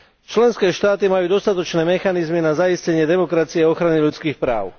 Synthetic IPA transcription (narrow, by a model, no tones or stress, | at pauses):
t͡ʃlɛnskɛːʃt̪aːt̪imajuːd̪ɔst̪at̪ɔt͡ʃnɛːmɛxanizminazaiscɛɲɪɛd̪ɛmɔkɾat͡siɛɔxɾaniʎut͡skiːxpɾa̰ːʊ